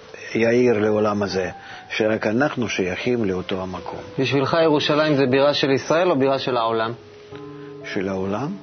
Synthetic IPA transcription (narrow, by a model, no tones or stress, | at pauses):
jairleolamaze | ʃeɾakanaχnuʃɐjaχʲimleot̪o̞amakʰo̞̰mbiʃvilχaje̞ʁuʃalaimzebiʁaʃe̞lisʁae̞lo̞biʁaʃe̞laolam | ʃelaolam